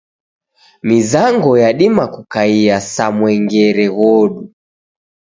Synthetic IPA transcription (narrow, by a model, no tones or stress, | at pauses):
mizaŋɡɔjaɗimakukaiasamwɛŋɡɛɾɛɣɔɗu